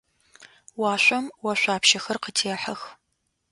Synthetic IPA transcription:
wɑːɕʷʼɔmwɐɕʷʼaːpʃɐxɐrqətʰeːħɐx

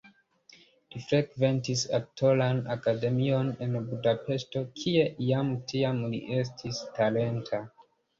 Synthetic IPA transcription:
lifɾe̞ɡve̞ntisak̚tolanakade̞mio̞ne̞nbudape̞sto̞kʰie̞jamtiamlḭʔe̞s̬tʰistale̞ntʰa

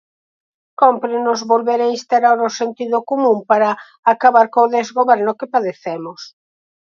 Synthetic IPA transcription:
kompɾɪnʊzβolβeɾainst̪aɾaɾosent̪iðʊkomũmpaɾa | akaβaɾkõðezɣoβɛɾnʊkɪpaðeθɛmʊs

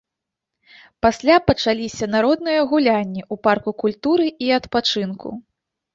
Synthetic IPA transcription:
pasʲlʲapɐt͡ʂalʲisʲɐnaɾɔd̪nɨjɐɣulʲanʲːiʔuparkukulʲt̪uɾɨiɐt̪pat͡ʂɨnkʰṵ

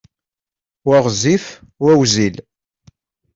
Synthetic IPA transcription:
waʁzifwæwzil

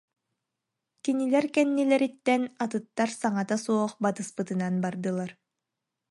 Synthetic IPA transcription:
kinilɛɾkɛnːilɛɾit̪ːɛnat̪ɯt̪ːaɾsaŋat̪asuɔχbat̪ɯspɯt̪ɯnanbaɾd̪ɯlˠaɾ

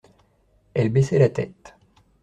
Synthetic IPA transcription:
ɛlbesɛlat̪ɛt̪

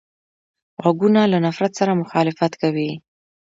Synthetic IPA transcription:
ɣaɡunalanafɾat̪saɾamʊxɑlɪfat̪kawi

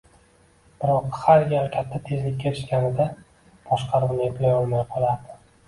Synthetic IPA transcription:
b̥ɪɾɒqhaɾjʲaɾkʲʰat̪ʰːat̪ʰe̞zlɪkʲːaɪ̥ʃkʲanɪd̪a | b̥ɒʃqʰɑɾʊmnɪeplajɒlˠmajqʰɒlˠaɾd̪ɪ̥

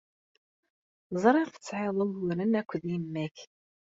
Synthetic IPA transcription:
zˤɾˤɑɾfə̥t͡sːʕɪðˤəlwəɾənækʷːðjəmːæç

